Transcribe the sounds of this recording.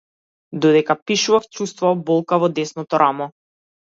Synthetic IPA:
d̪ɔd̪ɛkapiʃuvaft͡ʃust̪vɔabɔlˠkavɔd̪ɛsnɔt̪ɔɾʔamɔ

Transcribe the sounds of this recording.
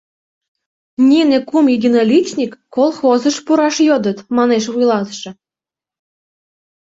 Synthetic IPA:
nʲinekumidʲinolʲit͡ɕnʲikːolˠxozəʃpuɾɑʃjod̪ət̪mɑneʃβujlɑt̪ʃɤ̆

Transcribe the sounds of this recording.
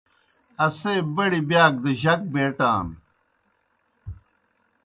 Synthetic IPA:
ɐseːbɐɽibjaːk̚d̪ɐʑɐk̚beːʈaːm

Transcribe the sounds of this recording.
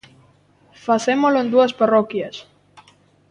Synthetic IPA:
faθemolʊẽnd̪uɐsparɔkjɐs

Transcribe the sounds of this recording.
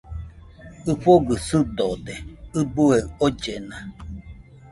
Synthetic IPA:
ɨɸoɡɨsɨd̪od̪eɨbueod͡ʒena

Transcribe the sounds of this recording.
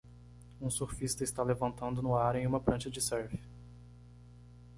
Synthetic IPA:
ũsoɾfist̪ɐɪst̪alevɐ̃nt̪ɐ̃nd̪ʊnʊaɾẽj̃ũmɐpɾɐ̃ʃɐd͡ʒɪsɛɾvɪ

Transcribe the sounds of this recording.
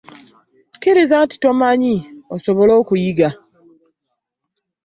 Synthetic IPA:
kiɾizanti̥to̞maɲiosoβo̞lo̞ːkujiɡa

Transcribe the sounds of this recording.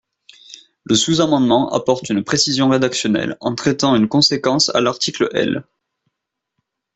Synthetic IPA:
ləsuzamɑ̃d̪mɑ̃ʔa̰pɔʁt̪ynpχesizjɔ̃ʁed̪aksjɔnɛ̰lɑ̰̃t̪χɛt̪ɑ̃ynkɔ̃sekɑ̃sa̰laʁt̪ikləʔɛ̰l

